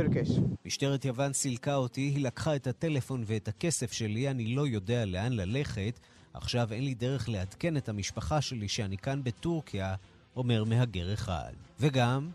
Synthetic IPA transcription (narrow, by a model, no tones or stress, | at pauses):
lkeʃmiʃte̞ʁetjavansilkaotiɦilakχaethate̞le̞fo̞nveethake̞se̞fʃe̞lianilo̞jo̞de̞ale̞anlale̞χe̞t | a̰χʃave̞nlide̞ʁ̞e̞χle̞adke̞ne̞thamiʃpaχaʃe̞liʃeanikanbe̞tuʁkʰia | ʔo̞me̞ʁmeɦaɡe̞ʁeχa̰dveɡam